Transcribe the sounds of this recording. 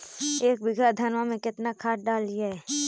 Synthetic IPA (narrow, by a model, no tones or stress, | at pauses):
eːk̚bɪɡad̪ʱɐnʋamẽkɪt̪nakʰaːʈ̚ɖaːlːijaɦɛː